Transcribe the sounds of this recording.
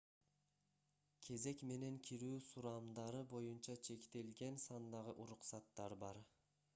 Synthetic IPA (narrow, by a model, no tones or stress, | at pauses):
kʲʰe̞ze̞kme̞ne̞ŋkʲʰiɾyːsuɾɑmd̪ɑɾɯbo̞junt͡ʃɑt͡ʃʰe̞kt̪e̞lɡʲensɑnd̪ɑʁɯʔuɾuqsɑt̪ːɑɾbɑɾ